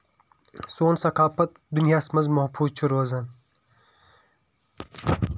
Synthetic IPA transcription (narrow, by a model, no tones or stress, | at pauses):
soːnsɐkaːpɐt̪̚d̪unjaːsmɐzmɐhpʰuːt͡ʃʰuɾoːzɐn